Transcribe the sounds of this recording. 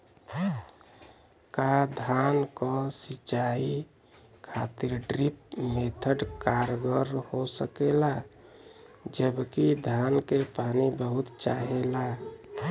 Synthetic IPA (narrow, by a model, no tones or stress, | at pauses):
kad̪ʱankɔsit͡ʃai | kʰat̪iɾɖɾip̚met̪ʰəɖkaɾɡəɾhosəkela | d͡ʒəbkid̪ʱankepanibəɦʊt̪t͡ʃaɦela